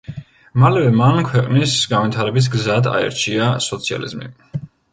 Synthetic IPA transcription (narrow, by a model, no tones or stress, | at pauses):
malɛvɛmankʰwɛqʼnisɡanvit̪ʰaɾɛbis̬ɡzad̪a̰ɛ̰ɾt͡ʃʰiasɔt̪sʰia̰lḭzmḭ